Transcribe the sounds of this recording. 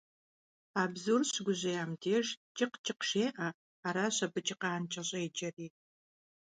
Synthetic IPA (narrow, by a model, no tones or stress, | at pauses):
aːbzurɕɡʷʊʑejaːmdʰeːʒt͡ʃʼɪqt͡ʃʼɪqʂeːʔɐ | aːɾaːɕɐbɨt͡ʃʼɪqɑːnt͡ʃʼɐɕʼeːd͡ʒɐriː